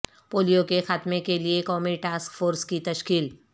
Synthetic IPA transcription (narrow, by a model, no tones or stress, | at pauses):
poːlijokexaːt̪mekeliekɔːmiʈaːskfoːɾskit̪ɐʃkiːl